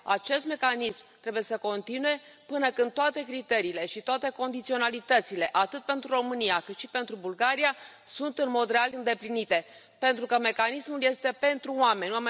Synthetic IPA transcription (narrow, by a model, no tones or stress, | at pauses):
a̰t͡ʃe̞st̪me̞kanismt̪ɾe̞buje̞səko̞nt̪inuje̞ | pɨnəkɨnd̪t̪oat̪e̞kɾit̪e̞ɾiːle̞ʃit̪oat̪e̞ko̞nd̪it̪sio̞nalit̪ət̪sile̞ʔat̪ɨt̪̚pe̞nt̪ɾuro̞mɨnijakɨt̪ʃipe̞nt̪ɾubulɡaɾia | sunt̪ɨnmo̞d̪realɨnd̪e̞plinit̪e̞ | pe̞nt̪ɾukəme̞kanismulje̞st̪e̞pe̞nt̪ɾuoame̞nʲame